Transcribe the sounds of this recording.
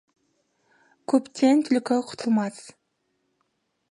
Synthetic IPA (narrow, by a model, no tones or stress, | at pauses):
kʰɵpt̪ʰent̪ʰʏlkøqʰʊ̥t̪ʰulˠmɑs